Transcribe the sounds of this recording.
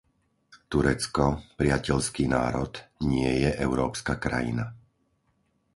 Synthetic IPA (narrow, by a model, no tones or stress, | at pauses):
t̪uɾɛt͡skɔpɾɪacɛʎskiːnaːɾɔt̪ɲɪɛjɛʔɛʊɾɔːpskakɾa̰jḭna